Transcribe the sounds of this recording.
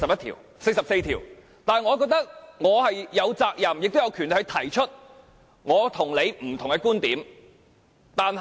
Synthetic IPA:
sɐ˨p̚jɐ˥t̪ʰiː˨˩w | se˧jsɐ˨p̚se˧jt̪ʰiː˨˩w | t̪aː˨ŋɔː˨˧k̬ɔː˧k̚t̪ɐ˥k̚ŋɔː˨˧hɐ˨jːɐ˨˧wt͡saː˧k̚jɐ˨mjɪ˨k̚t̪o˥wjɐ˨˧wkʰyː˨˩nʰ˧jt̪ʰɐ˨˩jt͡ʃʰɵ˥t̚ | ŋɔː˨˧t̪ʰʊ˨˩ŋle˨˧jm̩˨˩t̪ʰʊ˨ŋkɛ˧kuː˥nt̪iː˨˥m | t̪aː˨n

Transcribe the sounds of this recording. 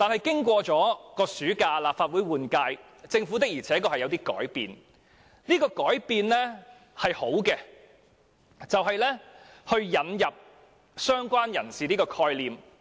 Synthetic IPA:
t̪aː˨nhɐ˨jkɪ˥ŋkʷɔː˧t͡sɔː˨˥kɔː˧syː˨˥kaː˧laː˨p̚faː˨t̚wuː˨˥jwuː˨˩nkaː˧j | t͡sɪ˧ŋfuː˨˥t̪ɪ˥k̚jiː˨˩t͡sʰɛː˨˥kɔː˧hɐ˨jɐ˨˧wt̪iː˥kɔ̰ː˨˥jpḭː˨˧n | niː˥kɔː˧kɔː˨˥jpiː˧nlɛ˥ | hɐ˨jho˨˥wkɛː˧ | t͡sɐ˨wɦɐ˨jlɛː˥hɵ˧ɥjɐ˨˥njɐ˨p̚ | sœː˥ŋkʷaː˥njɐ˨˩nsiː˨niː˥kɔː˧kʰɔː˧jliː˨m

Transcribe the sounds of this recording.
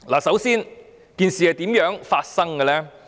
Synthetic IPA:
laː˨˩sɐ˨˥wsiː˥n | kiː˨˧nsiː˨a˨˧t̪iː˨˥mjœː˨˥ŋfaː˧t̚sɐ˥ŋkə˧lɛː˥

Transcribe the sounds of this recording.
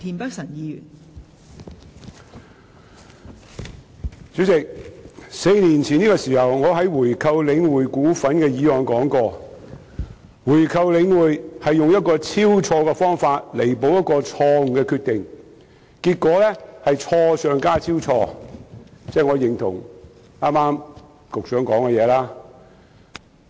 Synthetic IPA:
t̪ʰiː˨˩npɐ˥k̚sɐ˨˩ŋjiː˨˧jyː˨˩n | t͡syː˨˥t͡sɪ˨k̚se˧jniː˨˩nt͡sʰi˨niː˥kɔː˧siː˨˩hɐ˨˩wŋɔː˨˧ɦɐ˨˥jwuː˨˩jkʰɐ˧wlɪ˨˧ŋwuː˨jkuː˨˥fɐ˨˥nkɛː˧jiː˨˧wɔː˨nkɔː˨˥ŋkɔː˧ | wuː˨˩jkʰɐ˨wlɪ˨˧ŋwuː˨jhɐ˨jːʊ˨ŋjɐ˥t̚kɔː˧t͡sʰiː˥wt͡sʰɔː˧kɛ˧fɔː˥ŋfaː˧t̚le˨˩jpo˨˧wjɐ˥t̚kɔː˧t͡ʃʰɔː˧ŋ̩˨kɛ˧kʰyː˧t̪̚ɪ˨ŋ | kiː˧t̚kɔː˨˥lɛː˥hɐ˨jt͡ʃʰɔː˧sœː˨˧ŋkaː˥t͡sʰiː˥wt͡sʰɔː˧ | t͡sɛː˥˩ŋɔː˨˧jɪ˨ŋt̪ʰʊ̰˨˩ŋ | aː˥maː˥m | kʊ˨k̚sœː˨˥ŋkɔː˨˥ŋkɛ˧jɛː˨˧laː˥

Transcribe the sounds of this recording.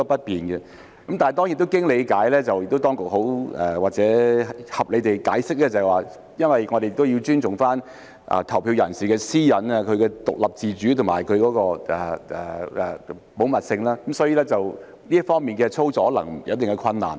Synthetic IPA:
ɔ˥pɐ˥t̚piː˨nɡɛ˧ | kɐ˨˦mt̪aː˨n˨˩t̪ɔ˥ŋjt̪o˥wkɪ˥ŋle˨˧jkaː˨˥jlɛː˥t͡sɐ˨wjɪ˨k̚t̪o˥t̪ɔː˥ŋkʊ˨k̚ɦo˨˥wɛ˨˩waː˨k̚t͡sɛː˨˥hɐ˨p̚le˨˧jt̪e˨˩jkaː˨˥jsɪ˥k̚lɛː˧t͡sɐ˨˩waː˨ | jɐ˥nwɐ˨˩jŋɔ˨˧ɾe˨jɪ˨k̚t̪o˥wji˧wt͡ʃyː˥nt͡sʊ˨ŋfaː˥n | ʔɐ̰˨t̪ʰɐ˨˩wpʰi˧wjɐ˨˩nsiː˨kɛː˧siː˥jɐ˨˥naː˧kʰɵ˨˧ɥkɛː˧t̪ʊ̰˨k̚lɐ˨p̚t͡siː˨t͡ʃyː˨˥t̪ʰʊ˨˩ŋma̰ː˨˩jkʰɵ˨˧ɥkɔː˨˧˥kɔː˧ʔɛ˨˩ʔɛ˨ɛ˨˩ | po˨˥wmɐ˨t̚sɪ˧ŋlaː˥kɐ˨˦msɔː˨˧˥jiː˧lɛː˥t͡sɐ˨w | nliː˥ə˥fɔː˥ŋmiː˨nkɛː˧t͡sʰo˥wt͡sɔː˨˥lɐ̰˨˩ŋ˨˩jɐ˨˧˥t̪ɪ˨ŋkɛ˧kʰɐ˧nːa̰ː˨˩n

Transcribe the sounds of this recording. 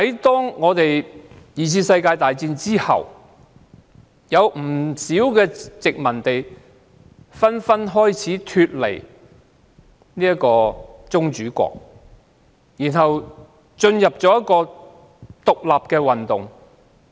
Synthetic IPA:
hɐ˨˥jt̪ɔː˥ŋŋɔː˨˧t̪e˨jjiː˨t͡sʰiː˧sɐ˧jkaː˧jt̪aː˨jt͡siː˧nt͡siː˥hɐ̰˨˩w | jɐ˨˧wm̩˨˩siː˨˥wkɛː˧t͡sɪ˨k̚mɐ˨˩nt̪e˨j | fɐ˥nfɐ˥nɦɔː˥jt͡sʰiː˨˥t̪ʰyː˧t̚lḛ˨˩j | niː˥jɐ˥kɔː˧t͡sʊ˥ŋt͡ʃyː˨˥kʷɔ̰ː˧k̚ | jiː˨˩nɦɐ˨w | t͡ʃɵ˧njɐ˨p̚t͡ʃɔː˨˥jɐ˥kɔː˧ | t̪ʊ˨k̚laː˨p̚kɛː˧wɐ˨nt̪ʊ˨ŋ

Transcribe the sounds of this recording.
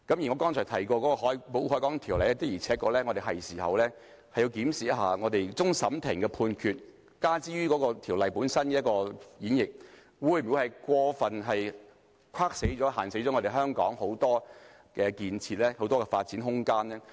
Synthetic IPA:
kɐ˨˥mjŋɔ˨˧kɔː˥nt͡ʃʰɔː˨˩t̪ʰɐ˨˩jkɔː˧kɔː˨˧˥kɔ˧ɦɔː˨˥jpo˨˥whɔː˨˥kɔː˨˥ŋt̪ʰiː˨˩wlɐ˨jlɛ˥t̪ɪ˥k̚jiː˨˩t͡sʰɛː˨˥kːɔː˧lɛː˥ŋɔ˨˧ɾe˨jɦɐ˨jsiː˨˩hɐ̰˨wlɛː˥ | hɐ˨jːi˧wkiː˨˥msiː˨jɐ˥tɦaː˨ŋɔː˨˧t̪e˨jt͡sʊ˥ŋsɐ˨˥mt̪ʰɪ˨˩ŋkɛ˧pʰuː˧nkʰyː˧t̚ | kaː˥t͡siː˥ɥyː˥kɔː˨˥kɔː˧t̪ʰiː˨˩wlɐ˨jpuː˨˥nsɐ˥nkɛː˧jɐ˥t̚kɔː˧jiː˨˥njɪ˨k̚ | wuː˨˧jm˨wu˨˧˥hɐ˨jkʷɔː˧fɐ˨nɦɐ˨j | kʰaː˥k̚se˨˥jt͡sɔː˨˦˥ɦaː˨˩nse˨˥jɔ˨˦ŋɔː˨˧te˨jɦœː˥ŋkɔ̰ː˨˥ŋho˨˥wt̪ɔː˥ | kɛː˧kiː˧nt͡sʰiː˧t̚lɛː˥ho˨˥wt̪ɔː˥kɛ˧faː˧t̚t͡siː˨˥nɦʊ˥ŋkaː˥nlɛː˥

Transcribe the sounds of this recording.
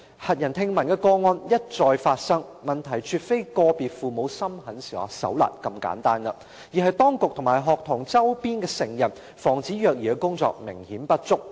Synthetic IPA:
hɐ˨t̚jɐ˨˩nt̪ʰɪ˧ŋmɐ˨˩nkɛː˧kɔː˧ŋɔː˧njɐ˥t̚t͡sɔː˨˧jfaː˧t̚sɐ˥ŋmɐ˨nt̪ʰɐ˨˩jt͡ʃʰyː˨˧t̚fe˥jkɔː˧piː˨t̚fuː˨mo˨˧wsɐ˥mhɐ˨˥nsiː˨˩ɔ̰˨˩sɐ̰˨˥wla̰ː˨t̚kɐ˧mka̰ː˨˥nt̪aː˥nɐ˧ | jiː˨˩ɦɐ˨jt̪ɔː˥ŋkʊ˨k̚t̪ʰʊ˨˩ŋmaː˨˩jɦɔː˨k̚t̪ʰʊ˨˩ŋt͡sɐ˥wpiː˥nkɛː˧sɪ˨˩ŋjɐ˨˩n | fɔː˨˩ŋt͡siː˨˥jœː˨˧k̚jiː˨˩kɛː˧kʊ˥ŋt͡sɔ̰ː˨k̚mɪ˨˩ŋhiː˨˥npɐ˥t̚t͡sʊ˥k̚

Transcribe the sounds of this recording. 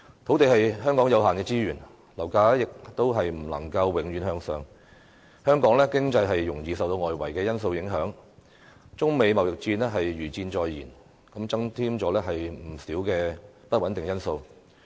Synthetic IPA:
t̪ʰo˨˥wt̪e˨jɦɐ˨jɦœː˥ŋkɔː˨˥ŋjɐ˨˧wɦaː˨˩nkɛː˧t͡siː˥jyː˨˩n | lɐ˨˩wkaː˨˥jɪ˨k̚t̪o˥wɦɐ˨jm̩˨˩lɐ̰˨˩ŋkɐ˧wwɪ˨˧˥ŋjy˨˧˥nhœː˧ŋsœː˨˧ŋ | hœː˥ŋkɔː˨˥ŋlɛː˥kɪ˥ŋt͡sɐ˧jɦɐ˨jːʊ˨˩ŋjiː˨˩sɐ˨wt̪o˧wŋɔː˨jwɐ˨˩jkɛː˧jɐ˥nso˧wjɪ˨˥ŋɦœː˨˥ŋ | t͡sʊ˥ŋme˨˧jmɐ˨˩wjɪ˨k̚t͡siː˧nlɛː˥ɦɐ˨jɥyː˨˩t͡siː˧nt͡ʃɔː˧jːiː˨˩n | kɐ˨˥mt͡sɐ˥ŋt̪ʰiː˥mt͡sɔː˨˥lɛː˥ɦɐ˨jm̩˨˩siː˨˥wkɛː˧ | pɐ˥t̚wɐ˨˥nt̪ɪ˨ŋjɐ˥nso˧w

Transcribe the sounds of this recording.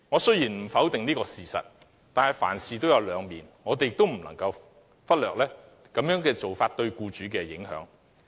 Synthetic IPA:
ŋɔː˨˧sɵ˥ɥjiː˨˩nm̩˨˩fɐ˨˥wt̪ɪ˨ŋniː˥kɔː˧siː˨sɐ̰˨t̚ | t̪aː˨nhɐ˨jfa̰ː˨˩nsiː˨˩t̪o˥wjɐ˨˧wlœː˨˧ŋmiː˨˩nŋɔː˨˧t̪e˨jɪ˨kt̪o˥wm̩˨˩nlɐ̰˨˩ŋkɐ˧w | fɐ˥t̚lœː˨k̚lɛː˥ | kɐ˨˥mjœː˨˥ŋkɛː˧t͡so˨wfaː˧t̚t̪ɵ˧ɥkuː˧t͡ʃyː˨˥kɛː˧jɪ̰˨˥ŋɦœ̰ː˨˥ŋ

